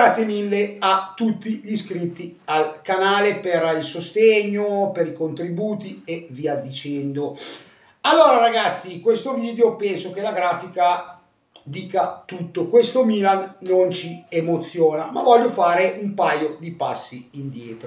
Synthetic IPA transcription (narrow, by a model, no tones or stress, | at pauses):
ɡɾat̪sːjemilːeat̪ːut̪ːiʎiskɾit̪ːialkanaːleperilsost̪eɲːopeɾikont̪ɾibuːt̪ieviad̪it͡ʃɛnd̪o | alːoːɾaɾaɡat̪sːikwest̪oviːd̪eopɛnsok̟elaɡɾaːfika | d̪iːkat̪ut̪ːokwest̪omiːlanːont͡ʃiemot̪sːjoːnama̰vɔʎːofaːɾeʔumpajod̪ipasːiːnd̪jeːt̪ɾo